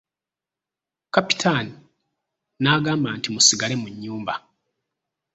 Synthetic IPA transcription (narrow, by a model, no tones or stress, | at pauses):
kapi̥tʰani | naːɡaːmbantimusiɡale̞muɲːuːmba